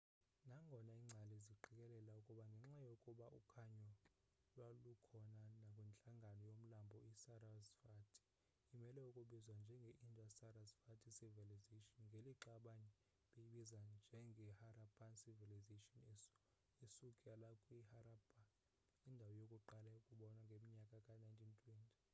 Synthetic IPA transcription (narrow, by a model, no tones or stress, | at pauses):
naŋɡʱɔnaiːŋ͡ǀʱalɛziǃʱik̬ʼɛlɛlaukʼuɓaŋɡʱɛŋ͡ǁajokʼuɓaʔukʰaɲɔ | lwalukʰɔnanakʼwɛnt͡ɬʼaŋɡʱanɔjom̩lambʱɔisaɾazfatʰʼi̥ | imɛlɛukʼuɓizwand͡ʒʱɛŋɡʱɛʔindʼʱasaɾazfatʰʼisiviliziʃɔnŋɡʱeliǃaɓanɛ | ɓejiɓizand͡ʒʱɛŋɡʱɛhaɾapʰansivɛliziʃɔni | isukʼɛlakʼwihaɾabʰʱa | indʱawɔjokʼuǃalaukʼuɓɔnaŋɡʱemiɲakʼakʼanajntʼʰintʼʰwɛntʼi̥